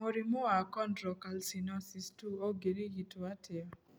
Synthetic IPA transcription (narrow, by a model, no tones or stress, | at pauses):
oɾimoakɔndɾɔkalsinɔsistuoɡeɾiɡitoatɪɔ